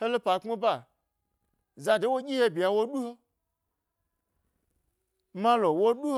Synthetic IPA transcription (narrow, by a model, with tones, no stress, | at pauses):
he˦lo˦pa˨k͡pme˦ba˦˨ | za˧de˨˦wo˦ɡʲi˦he˦bʲi˨ja˨wo˦ɗu˦ho˦ | mã˦lo˨wo˦ɗu˦h